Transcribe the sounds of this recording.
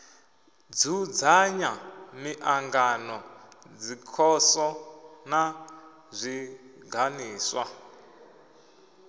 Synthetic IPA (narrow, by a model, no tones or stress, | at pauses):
d͡zud͡zaɲamiʔaŋɡanɔd͡zikʰɔsɔna | zʷiɡʱaniːswa